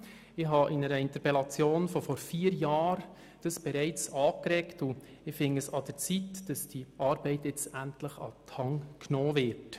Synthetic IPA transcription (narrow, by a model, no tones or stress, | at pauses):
ɪɦɑʔɪnəɾəɪnt̪əɾpɛlɑt͡sjoːnfɔfɔɾfiːəɾjɑːɾ | d̥ɑsb̥ɛɾɛɪt͡sɑːkɾɛktʊ | ɪfɪŋəsɑd̥əɾt͡sitd̥ɑsd̥iʔɑːɾb̥ɛɪtjɛt͡stæntləχɑ̰tʰɑŋknoːvɪɾt